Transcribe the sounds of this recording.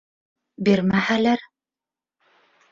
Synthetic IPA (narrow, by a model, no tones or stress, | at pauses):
biɾmæhælæɾ